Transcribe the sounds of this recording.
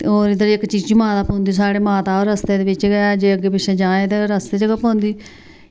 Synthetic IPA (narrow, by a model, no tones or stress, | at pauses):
oːɾɪd̪əɾɪkt͡ʃiːd͡ʒt͡ʃimãːt̪aːpõːnd̪iːs̬aːɽeːmaːt̪aːoɾəst̪eːd̪eːʋɪt͡ʃɡəaːd͡ʒeːəɡːeːpɪʃeːd͡ʒãːẽːt̪eːɾəst̪eːd͡ʒəɡaːpɔ̃ːnd̪iː